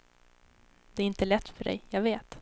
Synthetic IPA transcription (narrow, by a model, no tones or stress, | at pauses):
d̪ɛæɾɪnt̪əlɛt̪ːfœɖɛ̰jjɑɡveːt̪